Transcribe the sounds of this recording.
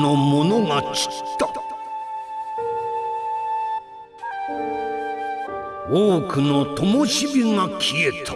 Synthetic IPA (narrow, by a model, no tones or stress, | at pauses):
no̞mo̞no̞ŋat͡ɕi̥tt̪ːa | oːkɯ̟no̞t̪o̞moɕibʲiŋakʲʰie̞t̪ʰḁ